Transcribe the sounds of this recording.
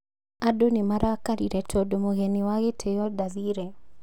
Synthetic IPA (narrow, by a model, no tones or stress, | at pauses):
adonemaɾakaɾiɾɛtodomoɣenɪwaɣetʰejɔdaziɾe